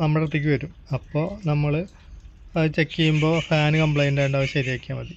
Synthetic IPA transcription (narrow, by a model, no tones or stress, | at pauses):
nɐmːɐɽrɐt̪ːikʲːuʋɐɾum | ɐpːo̞ːnɐmːɐɭɨ | ɐt͡ɕe̞kːijumbo̞ːfaːnɨkɐmpɭejndejɖaːʋɐɕjɐɐɾiɐkʲːaːmʋɐði